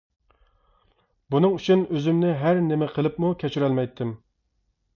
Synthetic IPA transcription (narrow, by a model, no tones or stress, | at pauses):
bunɨŋyt͡ʃʰynøzymnɪɦæɾnɪmɪqʰəlˠɨpmukʲʰɛt͡ʃʰyɾɛlmɛjt̪ʰːɪm